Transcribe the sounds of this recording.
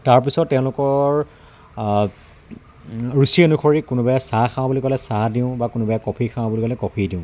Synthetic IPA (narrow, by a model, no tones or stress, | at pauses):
taɹpisɔtːɛ̃ʊ̃lʊkɔɹ | ɹusienukʰɔɹikʊnʊbajasakʰãw̃bulikɔlɛsadĩʊ̃bakʊnʊbajakɔpʰikʰãw̃bulikɔlɛkɔpʰidiʊ̃